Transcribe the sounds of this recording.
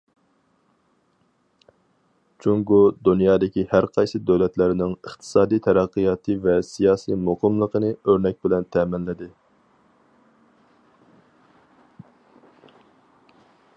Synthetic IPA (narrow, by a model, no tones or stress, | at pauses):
t͡ʃʰuŋɡʊd̪unjɑːd̪ɪkʲihæɾqʰɑjsɨd̪øwlɛt̪lɪɾɪnɪŋəχt̪ʰɨ̥sɑːd̪ijt̪ʰɛɾɛqːijɑːt̪ʰɨvɛsijɑːsiːmʊqʰəmlˠəqənɨøɾnɛk̚ʲbɪlɛnt̪ʰɛːmɪnlɪd̪ɪ